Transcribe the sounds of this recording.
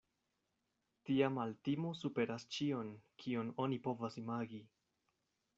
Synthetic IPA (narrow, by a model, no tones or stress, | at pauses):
tiamaltimosupe̞ɾast͡ʃio̞nkʰiono̞nipo̞vasimaɡi